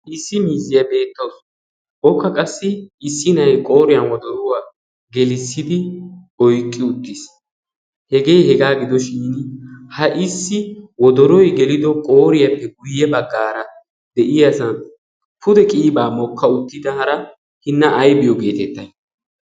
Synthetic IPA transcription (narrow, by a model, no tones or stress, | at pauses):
ʔɪsːɪmiːzɪjɐbe̞ːt̪ːɐws | ʔɔkːɐkʼɐsːɪːsːɪnɐjkʼo̞ːɾɪjɐnwɔd̪ɔɾʊwaː | ɡɛlɪsːɪd̪ɪ | ɔjkʼːɪʊt̪ːɪs | hɛɡe̞jhɛɡaːɡɪd̪ɔʃiːnhɐʔɪsːɪwɔd̪ɔɾɔjɡɛlɪd̪ɔkʼo̞ːɾɪjɐpːɛɡʊjːɛbɐɡːaːɾɐ | d̪ɛʔɪjɐsɐn | pʰʊd̪ɛkʼiːbaːmɔkːɐʊt̪ːɪd̪ɐhɐɾɐ | hɪnːɐʔːjbɪjɔɡe̞ːt̪ɛt̪ːɐj